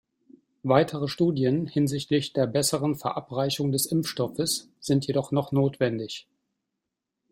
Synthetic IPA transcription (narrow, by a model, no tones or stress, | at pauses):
vaɪtʰəʁəʃtuːdjənhɪnzɪçtlɪçd̥eːɐbɛsəʁənfɛɐʔapʁ̥aɪçʊŋdɛsʔɪmfʃtɔfəs | z̥ɪntʰjedɔχnɔχnoːtv̥ɛndɪç